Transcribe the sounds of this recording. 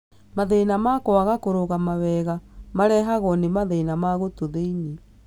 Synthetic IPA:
maðeinamakoaɣakoɾoɣamawɛɣamaɾɛɦaɣɔnemaðenamaɣotoðeiɲe

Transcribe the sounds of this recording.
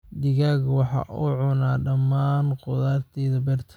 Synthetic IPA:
d̪ɪɣaːɣwɑħɑ̰ʔʊʕʊnaːɖɐmːaːnqʊðaːrt̪ʰɛːðɐbɛːrt̪ʰɐ̥

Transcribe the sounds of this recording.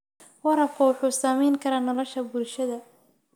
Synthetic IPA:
wɐɾɐfkʰʊwʊħuːsaːmɛjŋkʰɐɾaːnɔlɔʃɐbʊlʃɐðɐ

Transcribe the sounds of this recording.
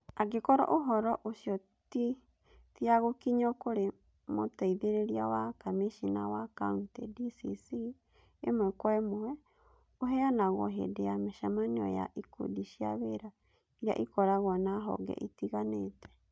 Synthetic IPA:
aɡekɔɾɔ̰ʔoɦɔɾɔʔoʃiɔ | ti | tiaɣokiɲɔkoɾe | mo̰taiðeɾeɾiawakameʃina̰wakauntɛdisḭsi | emwɛkwɛmoɛ | oɦɛanaɣwɔ̰ɦḛdeameʃamaneɔ̰ja̰ʔikṵdiʃiaβeɾa | iɾia̰ʔikɔɾaɣwanaɦɔ̰ɡɛ̰ʔitiɣanetɛ̥

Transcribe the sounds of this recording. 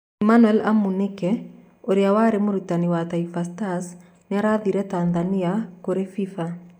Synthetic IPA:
imanwɛla̰munekɛ | oɾeawaɾemoɾutaniwataifastas | neaɾaðiɾɛtanðaniakoɾefifa

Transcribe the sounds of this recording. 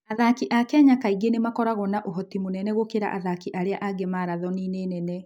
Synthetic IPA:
aðakiʔakɛaɲakaiɡenemakɔɾaɣɔnaʔoɦɔtimonɛnɛɣokeɾa̰ʔaðakiʔaɾeaʔaɡɛmaɾaðɔnineːnɛnɛ

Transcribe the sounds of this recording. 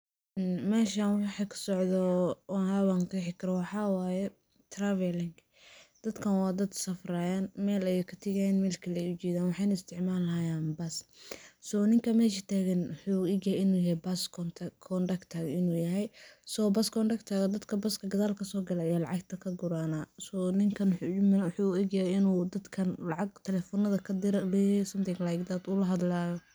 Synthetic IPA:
mɛːʃanwɑħɑkʰɐ̥sɔʕd̪ɔhawaŋt̪ɐħɪkʰɐɾɐwɑħɑːwaːjɛ | t̪ʰravɛlɪŋɡ | d̪̥ɐd̪kʰɐnwɑːd̪ɐd̪sɐfraːjanmɛːlɐjɛkʰɐt̪ʰɪɣɛjnmɛːlkʰɐlɛjʊt͡ʃɛːðaːnwɑħɑːnɪst̪ʰɪʕmaːlɦɐjaːnbɐssɔnɪŋkʰɐmɛːʃɐt̪ʰaːɣɐnwħuːiːɡjɐhɪnuːjɐhɛbaskʰɔnt̪ʰkʰɔnɖɐkt̪ʰaːɡɪnuːjɐɦɛjsɔbɐskʰɔnɖɐkt̪ʰaːɣɐd̪ɐd̪kʰɐbɐskʰɐɡɐðaːlkʰɐsɔːɡɐlajalɑ̰ʕɑɡt̪ʰɐkʰɐɡʊɾaːnaːsɔnɪŋkʰɐnwħumɐwħuːʊiɡjɐhɛjɪnuːd̪ɐd̪kʰɐnlɑʕɑɡ̚t̪ʰɛlɛːfɔnɐðɐkʰɐd̪ɪɾɐlɛːjɛsɐmt̪ɪɡlajɡd̪ad̪ʊlɐɦɐd̪laːjɔ

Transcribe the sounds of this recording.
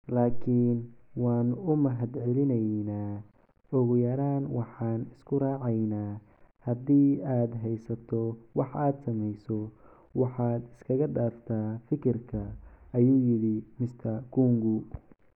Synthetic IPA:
laːkʰiːnwɑːnʊmɐɦɐd̪ʕɛlɪnɛjnaː | ɔɣʊjɐɾaːnwɑħɑːnɪskʰʊraːʕɑjnaː | hɐd̪iːaːd̪ɦɛjsɐt̪ʰɔwɑħaːd̪sɐmɛjsɔ | wɑħɑːd̪ɪ̥skʰɐɣɐɖaːft̪ʰaːfɪkʰɪrkʰɐːjuːjɪɽɪmɪst̪ʰɐkuːŋɡʊ

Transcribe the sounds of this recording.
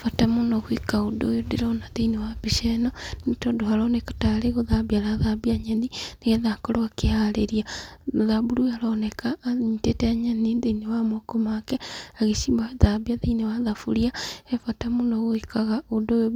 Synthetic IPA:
fatamunoɣwikaudo̰ːjodiɾonaðeinewabiʃɛnɔnitodohaɾɔnɛkḁtaleɣoðabialaðabiaɲenineɣeðakɔɾoakehaleɾiaðabuɾualɔnɛkaɲitetɛaɲanideinewamokomakɛaɣesimbaðabiaðeinewaðafṵɾiaefatamunoɣwikaɣaudojo

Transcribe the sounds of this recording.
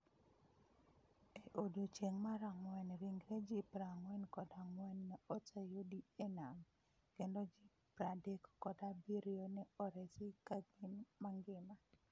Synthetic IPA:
eʔodot͡ʃeŋmaɾaŋwɛnɾiŋɡɾɛd͡ʒipɾaŋwɛnkɔdaŋwɛnːɛɔtajodienam | kendod͡ʒipɾadekkɔdabiɾionɛɔɾɛsikaɡinmaŋɡɪma

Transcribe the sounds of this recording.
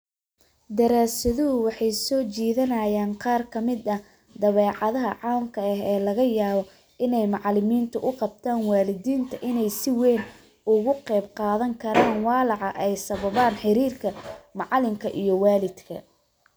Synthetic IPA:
d̪ɐɾaːsɐðʊɦʊwɑħɑjsɔːt͡ʃiːðɐnɐːjaːnqɑːrkʰɐmɪd̪ɐ | d̪ɐβɛːʕɑðɐɦɐʕɑːmkʰɐɐɦɛːlɐɣɐjaːβɔ | ʔɪnɛjmɑʕlɪmiːnt̪ʰʊʔʊqɑb̚t̪ʰaːnwɑːlɪðiːnt̪ʰɐʔɪnɛjsɪwɛjn | ʊɣʊqɛjbqɑːðɐŋkʰɐɾaːnwɑːlɑʕɑʔɛjsɐβɐβaːnħɪɾiːrkʰɐmɑʕlɪmkʰɐʔijɞwɑːlɪd̪kʰɐ̰

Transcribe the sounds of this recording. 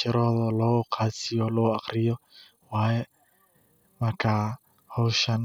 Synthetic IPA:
ɪɾɔðɔlɔkʰat͡siɔloakɾiɔ | wajɛ | makʰa | hoʊʃan

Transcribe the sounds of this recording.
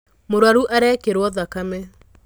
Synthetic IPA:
moɾwaɾuʔaɾɛkeɾwɔðakame

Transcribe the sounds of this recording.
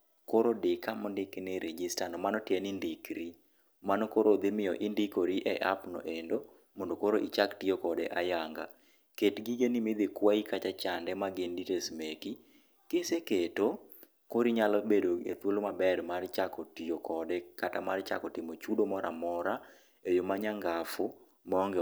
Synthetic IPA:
koɾodɪkamɔndɪknɛɾed͡ʒistanɔmanɔtjɛnɪndɪkɾi | manɔkoɾod̪ɪmɪjɔʔɪndikoɾiʔɛʔa̰pnɔ̰ʔendo | mondokoɾoʔit͡ʃaktiokɔdɛ̰ʔajaŋɡa̰ | ketɡiɡenimɪd̪ɪkwaikat͡ʃat͡ʃandɛmaɡɪnditesmeki | keseketo | koɾiɲalɔbedoḛt̪wolomabɛrmart͡ʃakɔtiokʰɔdɛkatamart͡ʃa̰kɔtɪmot͡ʃudomɔɾa̰mɔɾa | ejomaɲaŋɡafʊ | mɔŋɡɛ

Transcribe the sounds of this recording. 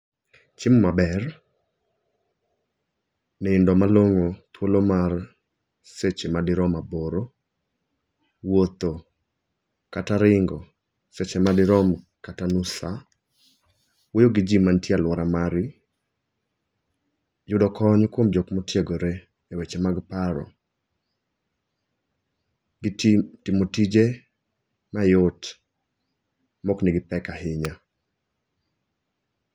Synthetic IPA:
t͡ʃɪmmabɛr | nɛɪndɔmaloŋot̪wolomar | set͡ʃemadɪɾɔmaboɾo | wot̪o | kataɾɪŋɡɔ | set͡ʃemadɪɾɔm | katanusa | wojoɡid͡ʒimantialwɔɾamaɾɪ | d͡ʒʊdɔkʰɔɲkwomd͡ʒɔkmɔtjeɡoɾeː | wet͡ʃemaɡpaɾɔ̰ | tɪmotid͡ʒe | majot | mɔknɪɡɪpɛkahɪɲa

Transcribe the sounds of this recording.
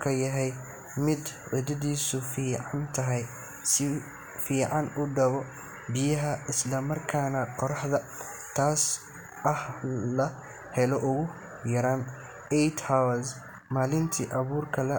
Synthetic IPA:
kʰɐjɐɦɛj | mɪd̪ʕʊd̪ɐðiːsʊfiːʕɑnt̪ʰɐɦɛj | sɪ | fiːʕɑnʊɖɐβɔ | bɪjɐɦɐɪslɐmɐrkʰaːnɐqɔɾɑħðɐ | t̪ʰaːs | ɐhlɐ | hɛlɔʔʊɣʊ | jɐɾaːn | ɛjt̪haws | maːlɪnt̪ʰḭːʔɐβuːrkʰɐlɐ

